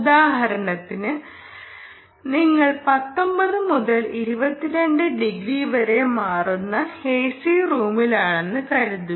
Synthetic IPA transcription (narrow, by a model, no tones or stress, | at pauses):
ud̪aːɦɐɾɐɳɐt̪ːinɨ | niŋːɐɭpɐt̪ːombɐðɨmuðɐliɾubɐt̪ːiɾe̞ɳɖɨɖiɡɾiːʋɐɾe̞maːrunːɐheːsiruːmilaːɳe̞nːɨkɐɾut̪ːu